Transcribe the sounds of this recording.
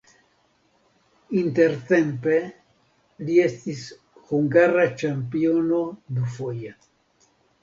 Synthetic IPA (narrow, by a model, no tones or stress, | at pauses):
int̪e̞ɾt̪e̞mpe̞ | lie̞stis | huŋɡaɾat͡ʃampio̞no̞d̪ufo̞ja